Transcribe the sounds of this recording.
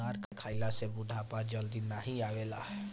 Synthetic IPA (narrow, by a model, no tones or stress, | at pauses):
aːɾkkʰaːɪlasebʊd̪ʱapad͡ʒəld̪inaɦiaːʋeːla̰ɦɛ